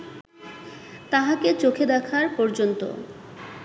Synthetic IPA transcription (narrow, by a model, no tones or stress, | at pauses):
t̪aɦaket͡ɕokʰed̪ɛkʰaɾpɔɾd͡ʑont̪o̰